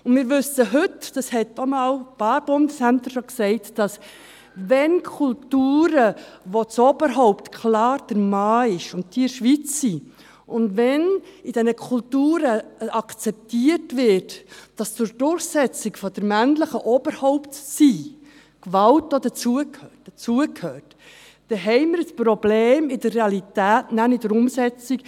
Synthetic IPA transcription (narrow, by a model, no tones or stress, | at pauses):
ʊnmɪːɾʋʏsəɦɵtd̥ɑshɛtːomɑːlpɑːɾb̥ʊndəsænt̪əɾʃoksɛɪtd̥ɑs | ʋɛnkʰʊltuːɾə | ʋot͡sob̥əɾɦɔʊptkʰlɑːɾd̥əɾmɑːɪʃʊntd̥iɪʃʋit͡ssi | ʔʊndʋɛnid̥ɛnəkʰʊltuːɾəɑkt͡sɛp̚tiəɾtvɪɾtd̥ɑst͡sʊɾd̥ʊɾχsɛt͡sɪkfɔd̥əɾmænləχəʔob̥əɾhɔʊptsi | kʋɑltːodət͡suəkʰhøːd̥ət͡suəkʰhøːrt | d̥ɛɦɛɪmɪɾəspɾɔbleːmɪdəɾːeɑlitæːtnænɪd̥əɾʊmsɛt͡sik